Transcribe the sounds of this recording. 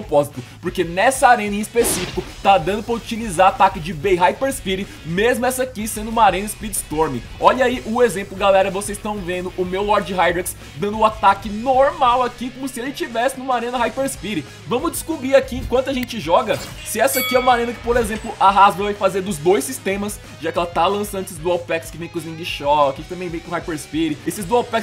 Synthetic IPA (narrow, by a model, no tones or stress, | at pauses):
opɔzit̪ʊpoɾkenɛsɐaɾẽnɐĩispesifi̥kʊt̪ad̪ɐ̃nd̪ʊpɾɐut͡ʃilizaɾat̪akɪd͡ʒɪbejɦajpeɾspiɾɪ | mezmʊɛsɐakisẽnd̪ʊũmɐaɾẽnɐɪspɾid͡ʒɪ̥st̪oɾmɪ | ɔʎɐiʔʊezẽmplʊɡalɛɾɐvosezst̪ɐ̃w̃vẽnd̪ʊʔʊmewlɔɾd͡ʒɪɦajd̪ɾɛks | d̪ɐ̃nd̪ʊat̪akɪnoɾmawakikõmʊsɪelɪt͡ʃivɛsɪnũmaɾẽnɐɦajfeɾspiɾɪ | vɐ̃mʊzd͡ʒɪskubɾiakiẽkwɐ̃nt̪ʊaʒẽnt͡ʃɪʒɔɡɐsɪɛsɐkiɛũmaɾẽnɐkɪ̥poɾezẽmplʊʔaɦazmɐɾvajfazeɾd̪ʊzd̪ojsist̪ẽmɐs | ʒakɪɛlɐt̪alɐ̃sɐ̃nd̪esɪzd̪uɛwpɛkskɪvẽj̃kʊzmĩɡɪʃɔkɪt̪ɐ̃mẽj̃vẽj̃kõhajfeɾspiɾɪesɪzd̪uɛwpɛks